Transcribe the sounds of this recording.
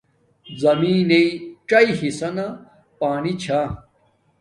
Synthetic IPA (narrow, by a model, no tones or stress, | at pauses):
zɐmiːneiʈ͡ʂɐiɦisɐnɐ | paːnit͡ɕʰa